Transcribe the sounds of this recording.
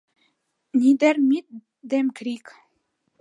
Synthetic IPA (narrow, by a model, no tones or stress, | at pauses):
nʲid̪eɾmit̪̚ | d̪emkɾik